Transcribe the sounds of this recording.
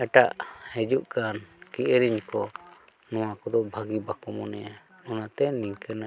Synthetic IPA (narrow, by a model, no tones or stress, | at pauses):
ɛʈaʔhɛd͡ʒuʔkankiʔɾiɲkɔ | nɔwakɔd̪ɔbʱaɡibakɔmɔnɛja | ɔnat̪ɛniŋkɛna